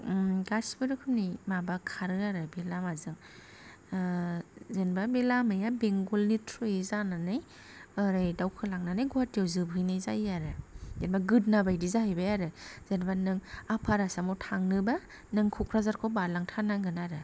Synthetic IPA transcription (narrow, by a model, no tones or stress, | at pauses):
ɡasbɯɾɯkʰɯnimabakʰaɾɯaɾɯbelamazɯŋ | zɯnbabelamɯjabeŋɡolnitʰɾojizananɯj | ɯɾajdawkʰɯlaŋnanajɡuatawzɯbɦɯjnajzajaɾɯzenbaɡɯt̚nabajdizahɯjbajaɾɯz̥ɯnbanɯŋapʰaɾasamɔwtʰaŋnɯba | nɯŋkʰukʰɾazaɾkʰobalaŋtʰanaɡɯnaɾɯ